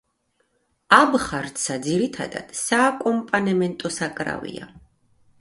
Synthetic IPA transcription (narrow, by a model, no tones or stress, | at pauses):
abχaɾt̪sad̪ziɾit̪ʰa̰d̪a̰d̪̥saːkʼɔmpʼanɛmɛnt̪ʼɔsakʼɾa̰vḭa̰